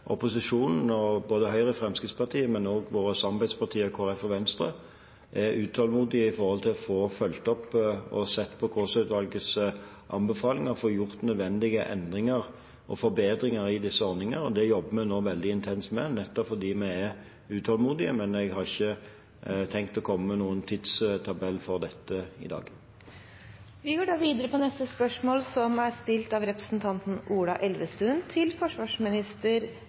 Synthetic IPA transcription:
ʔɔpʊsɪʂuːnn̩ɔboːd̪əɦœʏɾəfʁɛmskɪt̪spɑʁt̪ʰiːəmɛnoːɡʋoːɾəsɑmbɛd̪spɑt̪ʰiːəkʰoːʁɛfɔʋɛnst̪ɾə̰ | ʔɛɾʉːt̪ʰɑlmuːd̪ɪəɪfɔɾhɔlt̪ʰɪlɔfoːfœlt̪ɔpːɔsɛt̪ːpʰɔkʰʊsœʉt̪ʋɑlɡəs | ʔɑ̰mbəfɑːlɪŋɑfɔjʊʁt̪nœd̪ʋɛnd̪ɪɡəʔɛ̰nd̪ʁɪŋɑɾ | ʔɔ̰fɔɾbeːd̪ɾɪŋɑɾɪd̪ɪsːəɔɾnɪŋəɾɔd̪ɛjɔbːəmɛnoːʋɛld̪ɪɪnt̪ʰɛnsmɛnɛt̪ːɔpfɔd̪iːmæɪɛ | ʉːt̪ʰɑlmuːd̪ɪəmɛnɛɡhɑʁɪçːə | t̪ʰɛŋk̚t̪ɔkʰɔmːənuːənt̪ʰid̪st̪ʰɑbɛlːfɔʁd̪ɛt̪ːəɪ̰d̪ɑ̰ːɡ | ʋɪɡoːɖɑːʋiːd̪əɾəpɔnɛst̪əspœʂmoːlsɔmæɾst̪ɪlt̪ɑʋɾɛpɾə̥sn̩t̪ʰɑnt̪n̩ʔuːɽɑʔɛlʋəst̪ʉnt̪ʰɪlfɔʂʋɑːʂmɪnɪst̪əɾ

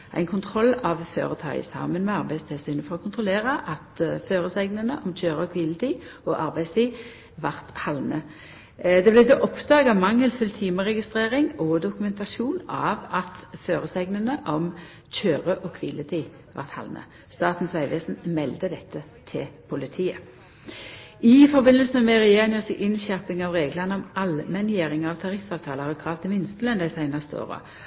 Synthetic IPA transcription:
ʔæ̰ɪnkʰʊnt̪ʰʁɔlːɑʋfø̰ːʁət̪ʰɑ̰ːɡə̰sɑ̰ːmənmɛɑʁbæɪst̪ʰɪlsyːnəfɔʁɔkʰʊnt̪ʁʊleːʁəʔɑt̪føːʁəsæɡnənəʔɔmc͡çøːʁəɔkʰʋɪlət̪ʰiɔʔɑʁbæɪst̪ʰiː | ʋɑʁt̪hɑlnə | d̪ɛblɛd̪ɛʔɔpd̪ɑːɡɑʋmɑŋːəlfʉlt̪ʰiːməʁɛɡɪst̪ʁeːʁɪŋɔd̪ʊkʉmɛnt̪ɑʃuːnɑʋɑt̪føːʁəsæɪɡnənəʔɔm | c͡çøːʁəʔɔkʰʋɪlət̪ʰɪ | ʋɑ̰ʁt̪hɑ̰lnə̰ | st̪ɑːt̪n̩sʋæɪʋeːsn̩mɛld̪əd̪ɛt̪ʰːə | t̪ʰɪlpʰʊlɪt̪ʰiːə | ɪfɔʁbɪnəlsn̩əmɛʁɛjeːʁɪŋəsəʔɪnʃæʁpɪŋɑʋʁeːɡlɑʁnəɔmɑlmɛnjeːʁɪŋɑʋt̪ʰɑʁɪfːɑːʋt̪ʰɑːləʁɔkʰʁɑːʋt̪ʰɪmɪnst̪əlɛnd̪əɪsæɪnɑst̪əo̰ːʁə̰

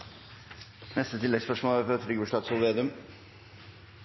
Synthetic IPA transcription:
nɛst̪ət̪ʰɪlːɛɡspœʂmoːlæɾfɔɾfɾyɡbəʂt̪ɑːd̪sɔlʋeːd̪ʉm

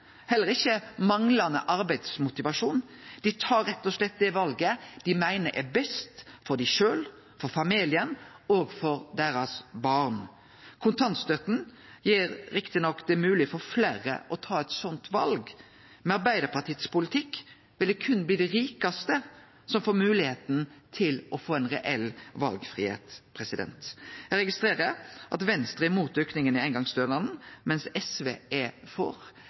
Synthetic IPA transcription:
hɛlːəɾɪçːəmɑŋlɑnə̰ʔɑɾbæɪd̪smʊt̪ɪʋɑʂuːnd̪̥ɪt̪ʰɑːɾɛt̪ːɔslɛt̪̚ːd̪ɛʋɑlɡəd̪̥ɪmæɪnəɾʔɛɾbɛst̪fɔɾɖ̪æʂøːl | fɔɾfɑmiːlɪənoːɡfɔɾd̪æɾɑsbɑːʁn | kʰʊnt̪ʰɑnst̪œt̪n̩ | jiːɾɾɪkt̪ɪnɔkːd̪ɛmʉːlɪfɔɾflæːɾə̰ʔɔt̪ʰɑːɛt̪sɔnt̪ʋɑ̰lɡ | mɛɑɾbæɪd̪əpʰɑt̪ʰiːət̪spʊlɪt̪ʰɪkː | ʋɪld̪ɛkʰʉnːbliːd̪ɛɾiːkɑst̪ə | sɔmfoːɾmʉːlɪheːt̪n̩t̪ʰɪlɔfoːɛnʁɛʔɛlʋɑ̰lɡfʁḭːhḛːt̪pʰɾɛsɪd̪ɛ̰nt̪jɛɾɛɡɪst̪ɾeːɾəɾʔɑ̰t̪ʋɛnst̪ɾəɛmuːt̪ʏknɪŋənɪæɪnɡɑŋsd̪øːlɑnmɛnsɛsʋeːʔɛfɔ̰ɾ

